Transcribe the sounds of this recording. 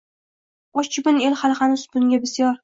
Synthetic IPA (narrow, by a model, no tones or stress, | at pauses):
ɒʃt͡ʃʰɪbɪnelχalχanɪsbʊnɡʲabɪsjɒɾ